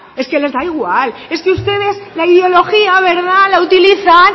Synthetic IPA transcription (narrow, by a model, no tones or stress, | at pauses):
e̞ske̞le̞zðaiɣ̞wale̞ske̞ust̪e̞ð̞e̞zlaið̞eo̞lo̞xiaβ̞e̞ɾð̞alaut̪iliθan